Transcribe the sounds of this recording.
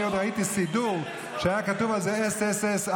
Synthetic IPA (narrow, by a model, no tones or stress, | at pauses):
od̪ʁait̪isiduʁ | ʃeajakatuvalzeeseses